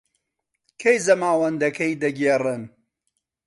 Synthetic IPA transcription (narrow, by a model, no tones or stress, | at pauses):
kʰejzɐmaːwɐnd̪ɐkʰɐjd̪ɐɡerɨn